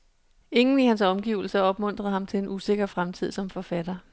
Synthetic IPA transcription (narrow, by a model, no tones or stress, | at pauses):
e̝ŋn̩ihænsɒ̽mɡ̥ḭʊl̩sɐɒ̽b̥mɔ̽n̰d̥ʁɐð̩ˠhɑ̈mt͡sʰe̝e̝nʔuse̝ɡ̥ɐfʁamt͡sʰið̞̰ˠsɒ̽mfɒ̽fæd̥ɐ